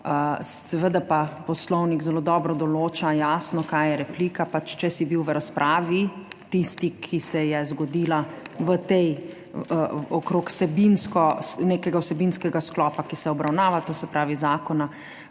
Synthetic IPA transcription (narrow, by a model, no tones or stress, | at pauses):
əɛʋəd̪apapɔslɔwniɡzɛloːd̪ɔːbɾɔd̪ɔloːt͡ʃajaːsnɔkajjɛɾɛpliːkapat͡ʃt͡ʃɛsibiwʋəɾaspɾʔaːʋit̪ist̪ikʰisɛjɛzɡɔd̪iːlaʋət̪ɛj | ɔkɾoːksɛbinskɔneːkɛɡawsɛbinskɛɡasklɔːpakisɛɔbɾawnaːʋat̪oːsɛpɾaːʋizaːkɔna